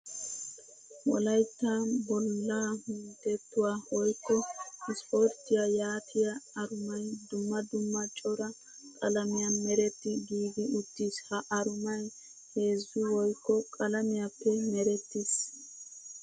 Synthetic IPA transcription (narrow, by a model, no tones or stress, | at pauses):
wɔ̰lɐjt̪ːaːbɔlːaːhʊnd̪ɛt̪ːʊwaːwɔjkːɔɪspoɾt̪ːɪjajaːt̪ʰɪjɐɐɾʊmɐjd̪ʊmːɐd̪ʊmːɐt͡ʃʼɔɾɐ | kʼɐlɐmɪjɐmɛɾɛt̪ːɪɡiːɡɪʔʊt̪ːiːshɐʔɐɾʊmɐj | he̞ːzːʊwɔjkːɔkʼɐlɐmɪjapːɛmɛɾɛt̪ːɪs